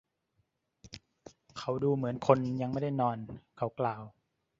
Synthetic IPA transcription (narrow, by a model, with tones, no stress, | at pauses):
kʰa˨˥wduː˧mɯ˩˦ənkʰo˧nja˧ŋma˥˩da˥˩jnɔː˧nkʰa˨˦˥wklaː˨˩w